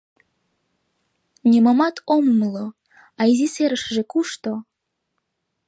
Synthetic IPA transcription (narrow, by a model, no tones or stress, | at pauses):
nʲemomɑt̪ʰommlo | ɑiziseɾəʃʒekuʃt̪o